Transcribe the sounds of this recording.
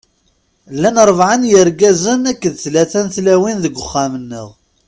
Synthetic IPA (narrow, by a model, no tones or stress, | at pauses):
lːænɾˤəvʕanjəɾɡæzənækːəðθlæθænθlæwinðəɡʷːəχːamənːə̰ʁ